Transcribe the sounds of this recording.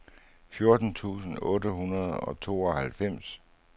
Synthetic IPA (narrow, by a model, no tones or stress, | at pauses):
fjo̝ɐd̥n̩t͡sʰṵːsn̩ɔ̽ːdəɦunɐð̞̩ˠɒ̽t͡sʰo̝̰ːɒ̽hælfem̰s